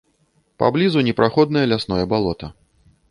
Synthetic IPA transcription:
pa̰blʲizunʲɛpɾaxɔd̪nɐjɐlʲasnɔjɐbalˠɔt̪ɐ

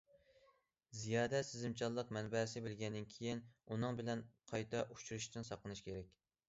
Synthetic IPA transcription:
zijɑːd̪ɛsɪzɪmt͡ʃʰɑlˠːəqmɛnbɛsɪbɪlɡʲɛnd̪ɪnkʲʰejinunɨŋbɪlɛnqʰɑjt̪ʰɛʔut͡ʃʰuɾuʃt̪ɨnsɑqˠənɨʃkʲʰeɾɛkʲ

